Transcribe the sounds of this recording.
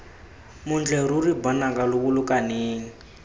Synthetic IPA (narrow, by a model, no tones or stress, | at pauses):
mund͡ɮɛɾuribɔnakʼaluβulukʼaneːŋ̩